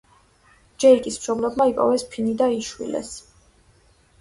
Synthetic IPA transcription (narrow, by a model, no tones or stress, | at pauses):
d͡ʒɛɾikʼismʃɔblɛbmaipʼɔ̰vɛspʰinid̪aiʃwḭlɛ̰s